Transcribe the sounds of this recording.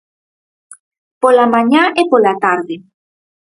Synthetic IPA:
polamaɲaʔepolat̪aɾðɪ

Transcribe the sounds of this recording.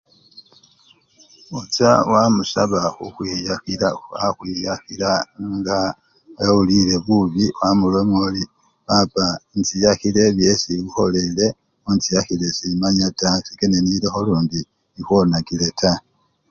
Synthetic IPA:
ut͡sawamusaβaxuxwiːjaxilaaxwijaxilaŋɡa | ulile̞βuβiwamulemoli | βapant͡sijaxile̞βjesiβuxo̞lele̞ | ont͡sijaxile̞simaɲatasekeneniɾexo̞luːndi | ixwo̞nakile̞tʰa

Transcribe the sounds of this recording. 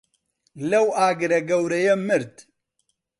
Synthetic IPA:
lɐwaːɡɨɾɐɡɐwɾɐjɐmɨɾt̪ʰ

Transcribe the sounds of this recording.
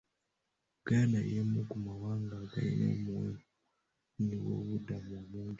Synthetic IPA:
ɡaːnaijemokumawaːŋɡaɡa̰jḭno̰muwe | niwo̰βudamumuːɲɟi

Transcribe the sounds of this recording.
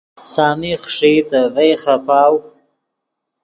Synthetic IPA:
sɑːmixʂit̪avejxapɑːw

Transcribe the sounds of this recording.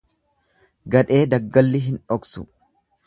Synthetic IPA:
ɡɐᶑe̞ːd̪ɐɡːɐlːɪɦɪnᶑɔksʊ̰

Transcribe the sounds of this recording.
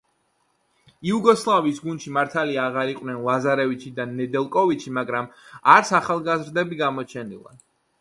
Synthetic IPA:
iuɡɔslˠavisɡunʃimaɾt̪ʰaliaːʁaɾiqʼwnɛnlˠazaɾɛvit͡ʃʰid̪anːɛd̪ɛlˠkʼɔvit̪t͡ʃʰimaɡɾamaɾsaχalˠɡazɾd̪ɛbiɡamɔt͡ʃʰɛnḭlˠa̰

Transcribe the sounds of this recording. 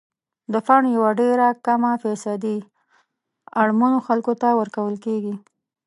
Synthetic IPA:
d̪əfaɳjawaɖeɾakamafesad̪i | aɽmanoxalkot̪awəɾkawəlkeɡi

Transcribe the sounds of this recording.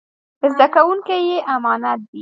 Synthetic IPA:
əzd̪akawuŋkejeʔamɑnat̪̚d̪i

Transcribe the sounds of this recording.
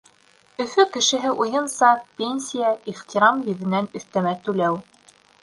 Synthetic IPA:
ɵ̆fɵkɘ̆ʃɘ̆ɦɘʔujɤnsɑpʲenʲsʲijaiχt̪ʲiɾɑmjiðɘ̆nænɵ̆θt̪æmæt̪ʉlæw

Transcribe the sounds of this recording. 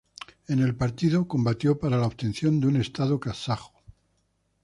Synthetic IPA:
e̞ne̞lpaɾt̪iðoko̞mbat̪jo̞paɾalaoβt̪e̞nθjo̞nd̪une̞st̪aðokasaxo̥

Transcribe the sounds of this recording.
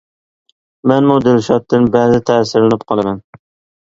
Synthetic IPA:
mɛnmʊd̪ɪlʃɑt̪ːɨnbæzɪt̪ʰæsɪɾlɪnɪp̚qʰɑlˠɪmɛn

